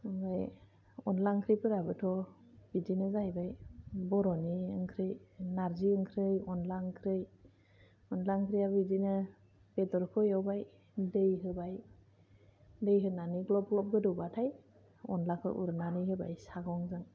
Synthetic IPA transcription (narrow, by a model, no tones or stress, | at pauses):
ɯŋɡaj | ɔnlaŋkʰɾɯjpɯɾabɯtʰɔ | b̥idinɯzajbajbɔɾɔniɯŋkʰɾɯjnaɾziɯŋkʰɾɯjɔnlaŋkʰɾɯj | ɔnlaŋkʰɾijabidinɯ | bedɔɾkʰɯjawbaj | dejɦɯbaj | dejɦɯnaniɡlɔb̚ɡlɔp̚ɡɯdɯwbatʰaj | ɔ̰nlakʰɯ̰ʔṵɾnaniɦɯba̰jsaɡɔŋzɯŋ